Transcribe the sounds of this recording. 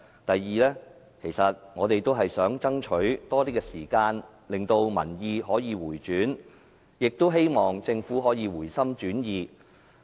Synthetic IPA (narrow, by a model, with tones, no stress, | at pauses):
t̪ɐ˨jːiː˨lɛː˥ | kʰe˨˩jsɐ˨t̚ŋɔː˨˧t̪e˨jt̪o˥wɦɐ˨jsœː˨˥ŋt͡sɐ˥ŋt͡ʃʰɵ˨˥ɥt̪ɔː˥t̪iː˥kɛː˧siː˨˩kaː˧n | lɪ˨ŋt̪o˧wmɐ̰˨˩njiː˧ɦɔː˨˥jiː˨˧wuː˨˩jt͡ʃyː˨˥n | jɪ˨k̚t̪o˥wɦe˥jmɔː˨ŋt͡sɪ˧ŋfuː˨˥ɦɔː˨˥jiː˨˧wuː˨˩jsɐ˥mt͡ʃyː˨˥njiː˨˧